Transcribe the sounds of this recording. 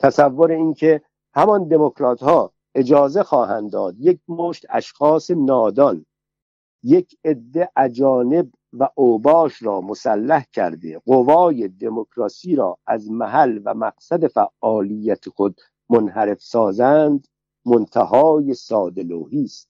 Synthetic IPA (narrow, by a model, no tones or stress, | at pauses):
t̪ʰæsævːoɾeinkʰe̞ | hæmɒnd̪e̞mokʰɾɒːt̪hɒː | e̞d͡ʒɒːzexɒːhænd̪d̪ɒːd̪je̞k̚ʰmoːʃt̪æ̰ʃxɒːse̞nɒːd̪ɒn | jecʰe̞d̪ːe̞ʔæd͡ʒɒːne̞b | væʔoːbɒːʃɾɒːmosælːæhcʰæ̰ɾd̪eɢovɒːje̞d̪e̞mokʰɾɒsiːɾɒːæzmæɦælvæmæqsæd̪e̞fæʔːɒːlijːæt̪ʰexod̪̚ | monhæɾe̞fsɒːzænd̪ | mont̪ʰæhɒːje̞sɒːd̪e̞lo̰ːhiːst̪̚